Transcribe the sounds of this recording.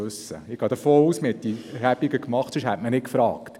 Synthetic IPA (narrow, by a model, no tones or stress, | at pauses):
ɵsːə̰ɪɡ̥ɑːd̪əfoːɾuːsməhɛt̚diɾæbiɡəkmɑχtsɵʃhætmənɪkfɾɑːkt